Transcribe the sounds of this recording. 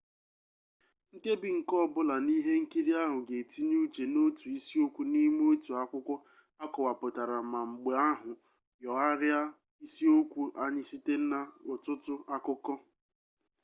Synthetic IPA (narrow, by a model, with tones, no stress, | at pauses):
ŋ̩˦ke˦bɪ˨ŋ̩˨kɔ˦˨bʊ˦la˨ni˦ɦe˦ŋ̩˦ki˦ɾi˦a˦ɦʊ˨ɡe˨ti˦ɲ˦u˦t͡ʃe˨no˦tu˨i˦si˦o˦kʷu˦ni˦m˦o˦tu˨a˦kʷʊ˦kʷɔ˦ | a˦kɔ˨wa˨pʊ˨ta˨ɾa˨ma˨ŋ͡m̩˨ɡ͡be˨a˦ɦʊ˨ | jɔ˨a˦ɾja˦ | i˦si˦o˦kʷu˦ʔa˦ɲɪ˦si˦te˦n̩˦na˦ʊ˨tʊ˦tʊ˦a˦kʊ˦kɔ˦